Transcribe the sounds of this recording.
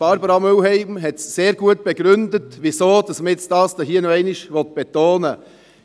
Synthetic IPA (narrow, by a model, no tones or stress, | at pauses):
b̥ɑɾbəɾɑmøwhɛɪmɦɛtseːɾɡuət̚b̥ɛɡɾʏndətʋisoːd̥ɑsməɪt͡sdɑːsd̥ɔɦiːənoɛɪnɪʃʋɔt̪̚b̥ɛt̪oːnə